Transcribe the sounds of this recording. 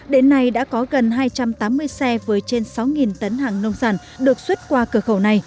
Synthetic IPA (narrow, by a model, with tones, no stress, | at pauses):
ɗe˨˦nːa˧jɗa̰ː˧˥kɔ˨˦ɣə˨˩nɦaː˧jt͡ɕa˧mt̪aː˨˦mːɨ˧əjsɛ˧vəː˨˦jt͡ɕe˧nsa˨˦wŋi˨˩nt̪ə˨˦nɦaː˨˩ŋnə˧wŋ͡mzaː˧˩n | ɗɨ˨˩ək̚swə˦˥t̚kwaː˧kɨ˧˩əxə˧˩wna˧˩j